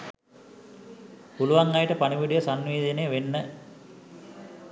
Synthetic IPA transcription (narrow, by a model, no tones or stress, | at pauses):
puluʋaŋajəʈəpaniʋiɖijəsanʋeːd̪enejəʋenːə